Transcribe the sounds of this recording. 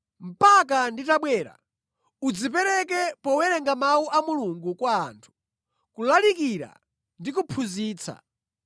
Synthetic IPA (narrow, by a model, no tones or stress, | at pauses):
m̩pak̬anditaɓwɛːɾa̰ | ud͡zip̬ɛɾɛkɛpɔwɛɾɛŋɡamauʔamuluŋɡukwa̰ːntʰu̥ | kulalikiɾa̰ | ndikupʰuziːt͡sʰa̰